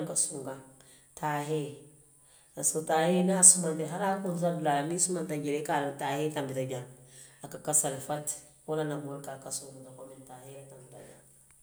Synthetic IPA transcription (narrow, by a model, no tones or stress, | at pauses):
kasuŋɡa | tʰaɦe | asotahenasumanteɦaɾakunz̬ablalanisumantaɡeɾekalatahetambitaɡʲa | akakasalfat | walanaboɾkakasuɡutakomintaheatambita̰ɡa